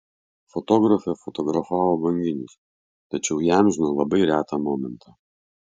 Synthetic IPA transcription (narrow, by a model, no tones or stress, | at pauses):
fɔt̪ɔːɡɾɐfʲɛfɔt̪ɔɡɾɐfɑːʋoːbɐŋʲɡʲɪnʲʊs | t̪ɐt͡ʃʲɛʊjæmʲʒʲnoːlˠɐbɐɪɾʲæːt̪ɑːmɔːmʲɛnt̪ʰɑː